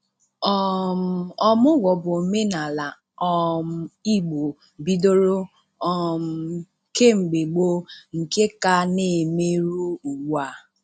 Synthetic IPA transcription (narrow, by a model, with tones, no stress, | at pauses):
ɔ˦m˦˨ɔ˦mʊ˦ɡʷɔ˨bʊ˨me˦na˨la˨ | ɔ˦m˦i˦ɡ͡bo˨ | bi˦do˦ɾo˦ | ɔ˦m˦ | ke˦ŋ͡m̩˨ɡ͡be˨ɡ͡bo˦ŋ̩˨ke˦ka˦ne˨me˦ɾu˦u˨ɡ͡bu˨a˨